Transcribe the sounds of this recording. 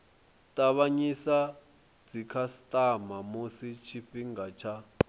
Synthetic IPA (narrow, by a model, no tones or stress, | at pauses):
tʼaβaɲisa | d͡zikʰasitʼamamusit͡ʃʰiɸiŋɡat͡ʃʰa